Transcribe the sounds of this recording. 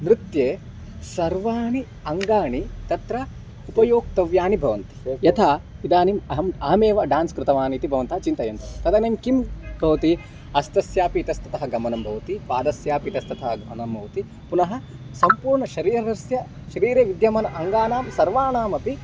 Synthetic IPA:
nɾɪt̪jeː | sɐɾʋaːɳi | ɐŋɡaːɳit̪ɐt̪ɾɐ | upɐjoːk̚t̪ɐʋjaːnibʱɐʋɐnt̪i̥jɐt̪ʰaːid̪aːnimɐɦɐmaːmeːʋɐɖaːnskɾɪt̪ɐʋaːniːt̪ibʱɐʋɐnt̪ɐɦɐt͡ʃint̪ɐjɐnt̪ɐt̪ɐd̪ɐneːmkimbʱɐʋɐt̪i | ɐst̪ɐsjaːpiːt̪ɐst̪ɐt̪ɐɦɐɡɐmɐnɐmbʱɐʋɐt̪ipaːd̪ɐsjaːpit̪ɐst̪ɐt̪ɐɦɐɡɐmɐnɐmɐʋt̪i | punɐɦɐ̆ | sɐmpuːɾɳɐʃɐɾiːɾɐɾɐsjɐ | ʃɐɾiːɾeːʋid̪jɐmɐnɐʔɐŋɡaːnaːmsɐɾʋaːnaːmɐpi

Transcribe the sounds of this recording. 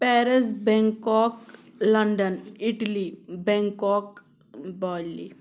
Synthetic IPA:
pɛːɾɪsbɛ̃ŋkɔːklɐɳɖənɪʈlibɛ̃ːŋkɔːk | baːllḭ

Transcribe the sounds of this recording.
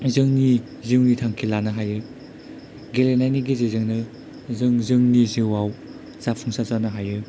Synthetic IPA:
zɯŋni | ziwnitʰaŋkʰilanɯɦajɯ | ɡelenajniɡizezɯŋnɯ | zɯŋzɯŋniziwaw | z̥apʰuŋsazanɯɦajɯ

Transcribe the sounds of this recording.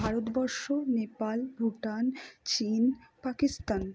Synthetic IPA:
aɾot̪bɔɾʃonepalbʱuʈant͡ɕinpakist̪an

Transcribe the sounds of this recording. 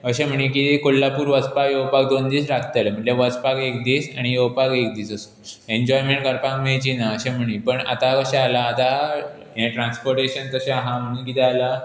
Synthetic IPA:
əɕẽm̤əɽ̃ĩkit̪ekollːapuːɾʋət͡spajowpak̚d̪ond̪iːsɾakʰt̪ələm̤əɳleʋət͡spakek̚d̪iːsaɽ̃ijowpakek̚d̪iːsəsu | eɲd͡ʑɔjmeɳʈkəɾpãŋkmet͡ɕinaəɕɛm̤əɽ̃ipəɳa̰t̪akəɕɛ̃alaːt̪a | ẽʈɾãnspoɾʈeɕənt̪əɕẽɦãm̤ə̃ĩkit̪ɛala

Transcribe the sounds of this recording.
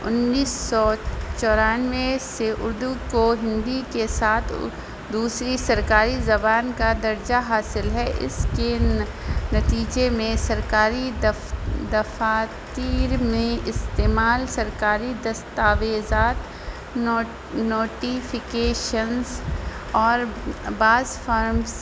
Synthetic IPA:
ʊ̰nːiːsːɔt͡ʃɔːɾaːnʋeseʔʊ̰ɾd̪ukoɦɪ̃nd̪ikesaːt̪ʰ | d̪uːsɾisɐɾkaːɾizɐbaːnkad̪ɐɾd͡ʒaɦaːsɪlɦɛʔɪ̰ske | nɐt̪iːd͡ʒemẽsɐɾkaːɾi | d̪ɐfaːt̪iːɾmẽɪst̪eːmaːlsɐɾkaːɾid̪ɐst̪aːʋeːzaːt̪ | noːʈifɪkeːʃənz | ɔːɾbaːzfʰaːɾms

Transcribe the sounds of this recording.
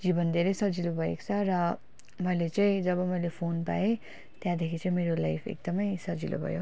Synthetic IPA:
d͡zibʌnd̪ʱeɾʌjsʌd͡zilobʱʌḛkt͡sʰʌrʌ | mʌjlet͡saĩd͡zʌbʌmʌjlepʰonpa̰e | t̪jãd̪ekʰit͡saĩmeɾolajpʰḛk̚d̪ʌmʌjsʌd͡zilo̰bʱʌ̰jo

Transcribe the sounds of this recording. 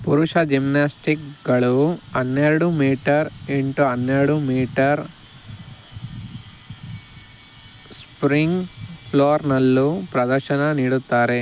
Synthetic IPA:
puɾuʂɐd͡ʒimnaːsʈikɡɐɭuɐnːeːɾuɽumiːʈɐɾeɳʈuɐnːeːɽumiːʈɐɾ | spɾiŋɡpʰloːɾnɐlːupɾɐd̪ɐɾʃɐnɐniːɽut̪ːaːɾe

